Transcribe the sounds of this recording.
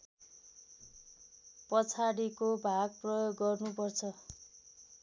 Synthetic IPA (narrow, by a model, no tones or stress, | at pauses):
pʌt͡sʰaɽikobʱaɡ̚prʌjoɡːʌrnupʌrt͡sʰʌ